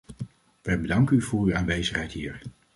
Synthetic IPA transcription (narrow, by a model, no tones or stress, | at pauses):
ʋɛjbədɑŋkənyvʊːɹyaːnʋejzəχɦɛjtɦḭːɹ